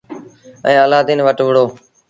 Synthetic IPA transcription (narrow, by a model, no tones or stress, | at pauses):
ə̰̃ːəlaːd̪ɪnʋəʈʋəɽoː